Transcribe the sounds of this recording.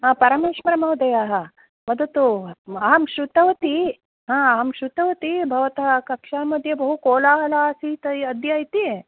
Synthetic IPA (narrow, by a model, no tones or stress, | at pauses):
ɦãːpɐɾɐmeːʂʋɐɾɐmɐwud̪ɐjaːɦɐ | mɐd̪ɐt̪uɐɦɐmʃɾut̪ɐʋɐt̪i | ɦãːɐɦɐmʃɾut̪ɐʋɐt̪ibʱɐʋɐt̪ɐɦɐkɐkʂaːmɐd̪ʱjɐbɐɦukoːlaːɦɐlaːsiːt̪ɐɐd̪ʱjaːjit̪i